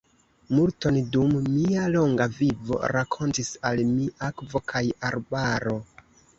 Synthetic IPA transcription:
multo̞ndumːialo̞ŋɡavivo̞̰ɾakʰo̞ntisalmiakvo̞kʰajaɾbaɾo̞

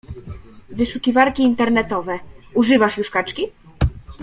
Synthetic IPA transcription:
vɘʂukʲivaɾkʲiːnt̪ɛɾnɛt̪ɔvɛuʐɘvaʂjuʂkat͡ʂkʲi

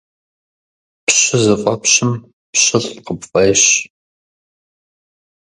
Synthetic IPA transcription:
pɕɪzɨfʷʼɐpɕɪm | pɕɪɮqəpfɐjɕ

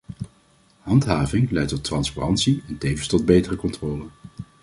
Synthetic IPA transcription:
ɦɑntɦaːvɪŋlɛjtɔtrɑnspa̰rɑntsiɛntejvənstɔd̚bejtərəkɔntrɔːlən

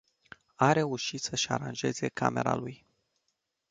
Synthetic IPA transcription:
aɾe̞uʃit̪səʃa̰ɾanʒe̞ze̞kʰa̰me̞ɾa̰luj

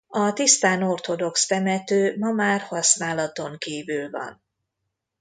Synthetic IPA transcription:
ɒt̪ist̪aːno̞rt̪o̞d̪o̞kst̪ɛmɛt̪øːmɒmaːrhɒsnaːlɒt̪o̞ŋkiːvylvɒ̰n

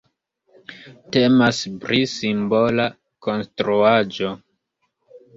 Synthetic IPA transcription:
te̞maspɾisimbo̞la | ko̞nstɾuad͡ʒo̞

